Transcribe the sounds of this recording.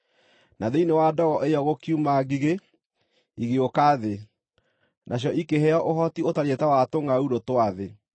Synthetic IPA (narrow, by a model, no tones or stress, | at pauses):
naðeinewadɔɣɔʔejɔɣokiumaɡiɣe | iɣeokaðe | nʔaɕ̬jɔʔikeɦɛɔʔoɦɔtiotaɾetɛwatoŋɡauɾotowaðe